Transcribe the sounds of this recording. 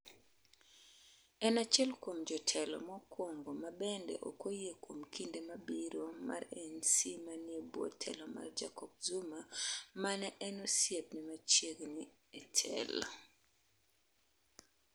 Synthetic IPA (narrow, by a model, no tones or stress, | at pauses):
ɛnat͡ʃɛlkomd͡ʒɔtʰɛlɔ̰mɔkwoŋɡomabɛndɛ̰ʔo̰kojekomkʰindemabiɾoma̰rɛnsimaniebwɔ̰tʰɛ̰lɔma̰rd͡ʒa̰kɔb̚zumamanɛʔɛnɔsjep̚nɪmat͡ʃeɡni | ɛtʰɛ̰l